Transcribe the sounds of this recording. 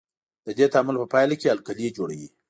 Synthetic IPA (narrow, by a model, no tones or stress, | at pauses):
d̪̥əd̪et̪amʊlpəpɑjlakealkalijed͡ʒoɽawi